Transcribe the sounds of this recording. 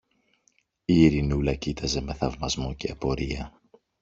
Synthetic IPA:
iːɾinulɐcit̪ʰɐze̞me̞θɐvmɐzmo̞ce̞ːpo̞ɾiɐ

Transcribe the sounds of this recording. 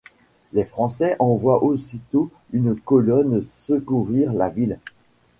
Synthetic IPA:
lɛfχɑ̃sɛʔɑ̃vwaʔosit̪o | ynkɔlɔnsəkuʁiʁlavil

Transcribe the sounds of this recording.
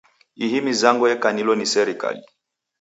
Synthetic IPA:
iɦimizaŋɡɔjɛkanilɔnisɛɾika̰li

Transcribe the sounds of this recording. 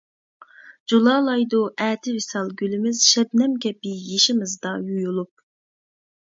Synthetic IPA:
d͡ʒulˠɑːlˠɑjd̪uʔɛːt̪ʰɪvɪsɑlˠɡʲylɪmɪz̥ʃɛbnɛmkʲɛpijeʃɪmɪzd̪ɑjujulˠup̚

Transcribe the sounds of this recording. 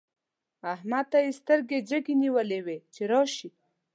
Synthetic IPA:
ahmad̪̚ajest̪əɾɡed͡ʒəɡiniwəlewet͡ʃeɾɑʃi

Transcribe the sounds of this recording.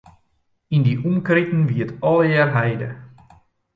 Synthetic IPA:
indiʔumkrɪtn̩ʋiətɔlˠəjɛrɦɛjdə̰

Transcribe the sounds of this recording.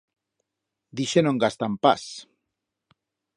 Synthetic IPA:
d̪iʃenõŋɡast̪ampa̰s

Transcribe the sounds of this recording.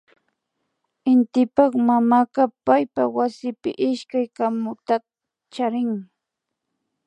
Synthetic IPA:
ɪnt̪ɪpɑχmamaqɑpajpawasɪpɪ̰ʔɪʃkajkamʊt̪a | t͡ʃaɾɪŋ

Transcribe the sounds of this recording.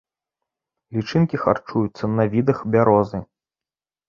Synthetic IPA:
lʲit͡ʂɨnkʲixa̰rt͡ʂujut̪sːɐnɐvʲid̪ɐxbʲaɾɔzɨ

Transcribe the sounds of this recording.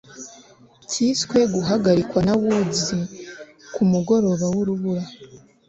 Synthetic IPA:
cʰiːskwe̞ɡuɦaɡaɾikwanaβuɟi | kʰumuɡo̞ɾo̞βawuɾuβuɾa

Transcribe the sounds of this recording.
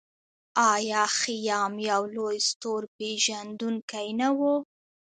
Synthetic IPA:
ɑjɑxijɑmjawlojst̪oɾpeʒand̪unkajnawo

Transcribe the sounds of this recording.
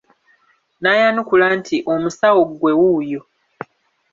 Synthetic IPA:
naːjanukulaːntʰiʔo̞musawoɡwe̞wujo

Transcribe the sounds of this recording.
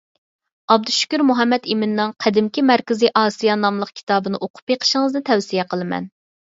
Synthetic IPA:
ɑb̚d̪uʃy̥kʲyɾmuɦɛmːɛt̪imɪnːɨŋqʰæd̪ɪmkʲimæɾkʲɪziʔɑːsijɑnɑmlˠəq̚kʲʰi̥t̪ʰɑːbɨnɨʔoqʰʊ̥pjeqʰə̥ʃɪŋəznɨt̪ʰɛwsijɛqʰəlˠɨmɛ̰n

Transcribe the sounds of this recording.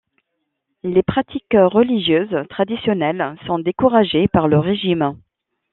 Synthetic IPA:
lepχat̪ʰikʁəliʒjøzt̪χad̪isjɔnɛlsɔ̃d̪ekuʁaʒepaʁləʁeʒim

